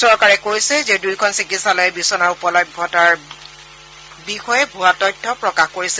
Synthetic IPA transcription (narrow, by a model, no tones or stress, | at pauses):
sɔɹkaɹɛkoɹisɛzedujkʰɔnsikisalɔɛbisɔnaɹupɔlɔjbʱɔtaɹ | bixɔjɛbʱuatɔjtʰːɔpɹɔkaxkoɹisɛl